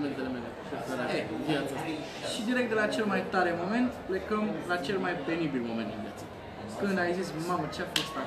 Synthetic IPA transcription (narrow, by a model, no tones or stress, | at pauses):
ment̪elemelefefeɾaevjat̪sa | ʃid̪iɾek̚t̪d̪elat͡ʃe̞lmajt̪aɾemo̞me̞nt̪ple̞kəmlat͡ʃe̞lmajpenibilmo̞mẽnɨnvja̰t̪sə̥ | kɨnd̪ajzismamət͡ʃafost̪a